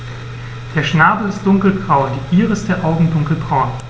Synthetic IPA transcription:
d̥eːɐʃnaːbl̩ɪst̚d̥ʊŋkl̩ɡʁaʊnd̥iʔiːʁəɪstd̥eːɐʔaʊɡŋ̩dʊŋkl̩ɡʁaʊn

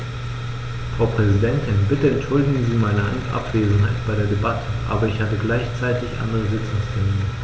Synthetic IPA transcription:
fʁ̥aʊpʁ̥ɛzidɛntʰɪnbɪtəɛntʃʊldɪɡŋ̩ziːmaɪnəʔa̰ŋstʔa̰pv̥eːzn̩ɦaɪtb̥aɪɾeːɐdebatʰəʔa̰ːbɐɪçhatəɡlaɪçt͡saɪtɪçʔa̰ndəʁəzɪt͡sʊŋstʰɛmiːnə

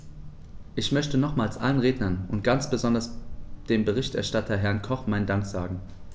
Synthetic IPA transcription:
ʔɪçmœçtənɔχmaːlsʔa̰lənʁeːdnɐnʊnt̚ɡ̥ant͡sb̥əzɔndɐsd̥eːmbəʁ̞ɪçtɛ̰ɐʃtatʰɐɦɛɐnkʰɔχmaɪndaŋkz̥aːɡŋ̩

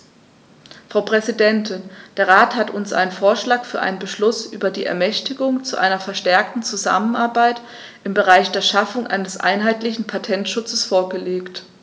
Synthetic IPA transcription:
fʁ̥aʊpʁ̥ɛzidɛntʰɪnd̥eːɐʁaːthatʊnsʔa̰ɪnənfoːɐʃlaːkfyːɐʔa̰ɪnənbəʃlʊsʔy̰ːbɐdiːʔɛ̰ɐmɛçtɪɡʊŋt͡suʔa̰ɪnɐfɛɐʃtɛɐk̚tn̩t͡suza̰mənaɐbaɪt | ʔɪmbəʁaɪçd̥eːɐʃafʊŋʔa̰ɪnəsʔa̰ɪnɦaɪtlɪçn̩pʰatʰɛntʃʊt͡səsfoːɐɡəleːkt

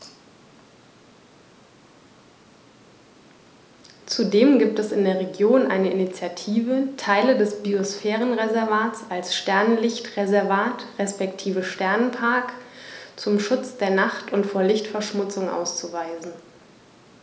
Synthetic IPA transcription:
t͡sudeːmɡiːp̚tɛsɪndeːɐʁ̞eɡjoːnʔa̰ɪnəʔɪnit͡sjatʰiːvətʰaɪlədɛsb̥iosfɛːʁ̞ənʁezɛɐvaːtt͡salsʃtɛɐnnlɪçtʁezɛɐvaːtʁɛspɛktʰiːvəʃtɛɐnənpʰaɐkt͡sʊmʃʊt͡sd̥eːɐnaχtʊntfoːɐlɪçtfɛɐʃmʊt͡sʊŋʔa̰ʊst͡suvaɪzn̩

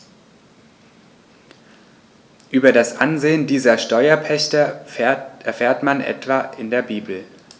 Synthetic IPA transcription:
ʔyːbɐdasʔanzeːəndiːzɐʃtɔʏɐpʰɛçtɐ | ɛɐfeːɐtmanʔɛ̰tv̥aːʔɪndeːɐbiːbl̩

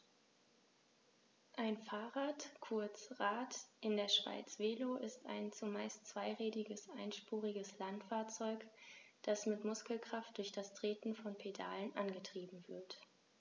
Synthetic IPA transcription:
ʔaɪnfaːʁaːtkʰʊɐt͡sʁaːtʔɪndeːɐʃv̥a̰ɪt͡sv̥eːloʔɪsta̰ɪnt͡sumaɪstt͡sv̥aɪʁɛːdɪɡəsʔaɪnʃpuːʁɪɡəslantfaːɐt͡sɔʏkd̥asmɪtmʊskl̩kʁ̥aft̚d̥ʊɐçd̥astʁ̥eːtn̩fɔnpʰeda̰ːlənʔanɡətʁ̥iːbm̩vɪɐt

